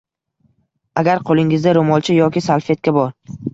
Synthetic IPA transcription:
aɡʲaɾqʰolˠɪŋɪzd̪aɾomɒlˠt͡ʃʰɪjɒkʲɪsalˠfe̞t̪̚kʲabɒɾ

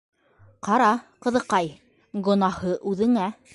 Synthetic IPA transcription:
qɑɾɑqɤ̆ðɤ̆qɑj | ɡŏnɑhɤʔʉðɘ̆ŋæ

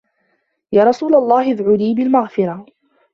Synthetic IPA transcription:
jaːɾˤɑsuːlalˤːɑːhɪðʕʊliːbɪlmaɣfɪɾˤɑ

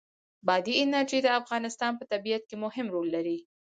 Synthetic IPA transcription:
bɑd̪iɪnaɾd͡ʒed̪əafɣɑnɪst̪ɑnpət̪abijat̪̚kemʊhɪmɾolːaɾi

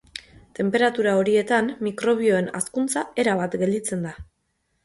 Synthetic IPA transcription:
t̪e̞mpe̞ɾat̪uɾao̞ɾie̞t̪amːikɾo̞β̞io̞e̞na̰skunt͡sae̞ɾaβat̪ɡe̞ld̪it͡se̞nd̪a

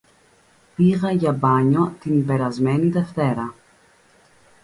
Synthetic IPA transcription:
piɣɐʝɐbɐɲo̞t̪inbe̞ɾɐzme̞niðe̞ft̪e̞ɾɐ

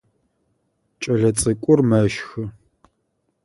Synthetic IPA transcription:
t͡ʃʼɐɮɐt͡sʼɨkʷʼʊrmɐʃxɨ

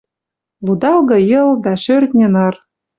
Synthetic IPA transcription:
lud̪ɑlɣɤ̆jɤ̆ld̪ɑʃørt̪nʲĕnɤ̆r

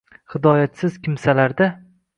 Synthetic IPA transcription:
hɪd̪ɒːjat̪sɪz̥kʲʰɪmsalaɾd̪a

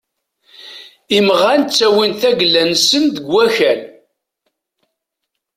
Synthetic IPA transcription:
imʁant͡sːæwinθæɡlːænsənd̪əɡwæçæl

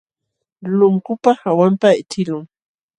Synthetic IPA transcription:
lʊŋkʊpahawampaɪt͡ʃɪlʊŋ

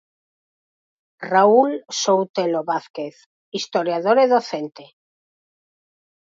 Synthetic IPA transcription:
raulsowt̪eloβaθkeθ | ist̪oɾjaðoɾeðoθent̪e

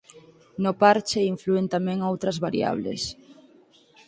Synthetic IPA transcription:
nopaɾt͡ʃeiɱfluent̪amɛ̃ŋowt̪ɾɐzβaɾḭa̰β̞lḛs

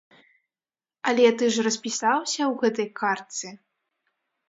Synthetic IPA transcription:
ɐlʲɛt̪ɨʐrɐspʲisawsʲɐwɣɛt̪ɐjkʰart̪sɨ

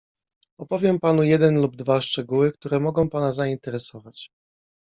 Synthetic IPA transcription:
ɔpɔvʲjɛmpanujɛd̪ɛnlub̚d̪vaʂt͡ʂɛɡuwɘk̚t̪uɾɛmɔɡɔ̃w̃panazaint̪ɛɾɛsɔvat͡ɕ

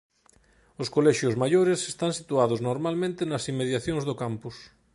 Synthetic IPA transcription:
oskolɛʃjozmaʎoɾesest̪aŋsit̪uaðoznoɾmalmẽnt̪enasimːeðjaθjõŋzðokampus

